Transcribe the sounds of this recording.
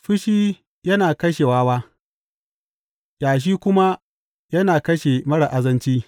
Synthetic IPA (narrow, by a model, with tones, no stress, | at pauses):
ɸɪ˦ʃiː˦ | jɐ˦naː˨kɐ˦ʃe˨waː˦waː˦ | jaː˨ʃ̬iː˦kʷʊ˦ma˦ | jɐ˦naː˨kɐ˦ʃe˨mɐ˦ɽa˨ʔa˦zɐ˦nt͡ʃiː˦